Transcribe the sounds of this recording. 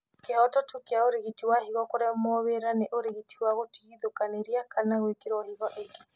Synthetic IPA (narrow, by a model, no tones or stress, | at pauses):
kehɔtɔtukeaoɾeɣitiwahiɣɔkoɾemɔβeɾaneʔoɾeɣitiwaɣotiɣiðokaneɾiakʰanaɣwekeɾwɔhiɣɔʔeke